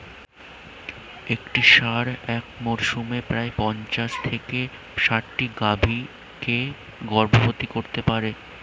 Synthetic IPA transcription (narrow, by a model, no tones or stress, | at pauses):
ekʈiʃaɾɛkmɔɾʃumepɾaepɔnt͡ɕaʃt̪ʰeke | ʃaʈʈiɡabʱi | ke | ɡɔɾbobot̪ikoɾt̪epaɾe